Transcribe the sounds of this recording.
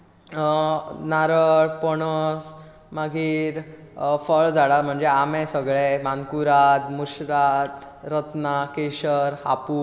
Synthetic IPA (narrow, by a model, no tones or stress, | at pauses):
naɾəɽpɔɽəs | maɡʱiːɾ | fəɭd͡zaɽaɾm̤əɳd͡zeamɛ̃səɡɭemankuɾad̪muɕɾat̪ | ɾət̪nakeɕəɾha̰puː